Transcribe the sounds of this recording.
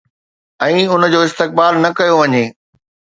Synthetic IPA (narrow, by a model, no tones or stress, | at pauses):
ɛ̃ːʊnə̆d͡ʑoːɪst̪ɪk̚baːlnɐkɐjoʋɐɲeː